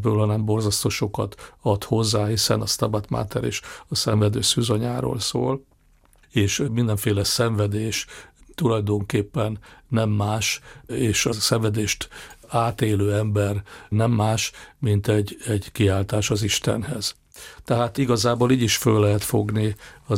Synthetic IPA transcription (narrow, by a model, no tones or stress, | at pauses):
bøːlɒnɛmbo̞rzɒst̪oːʃokɒ̰t̪ɒt̪ho̞zːaːɦisɛ̰nɒst̪ɒbat̪ma̰ːt̪ɛ̰ɾḛːʃɒsɛɱvɛd̪ø̰ːsyːzoɲaːɾo̰ːlsoːl | eːʃmind̪ɛɱfeːlɛsɛɱvɛd̪eːʃt̪ulɒjd̪o̞ŋkeːpːɛnːɛmːaːʃeːʃɒsɛɱvɛd̪eːʃt̪aːt̪eːløːɛmbɛrnɛmːaːʃmint̪ɛɟɛɟkiaːlt̪aːʃɒziʃt̪ɛ̰nhɛz̥ | t̪ɛɦaːt̪iɡɒzaːboːliːɟiʃfølːɛɦɛt̪fo̞̰ɡniɒ